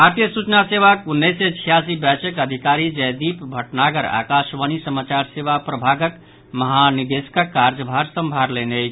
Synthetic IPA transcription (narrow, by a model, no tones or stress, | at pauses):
aɾt̪ijəsut͡ʃnaseʋakunːeset͡ʃʰijasibɛt͡ʃəkəd̪ʱikaɾid͡ʒəjd̪ipbʱəʈnaɡəɾa̰kaʃʋənisəmat͡ʃaɾseʋapɾəbʱaɡək | məɦanid̪eskəkːaɾd͡ʒəbʱaɾsəmbʱaɾlenejʰ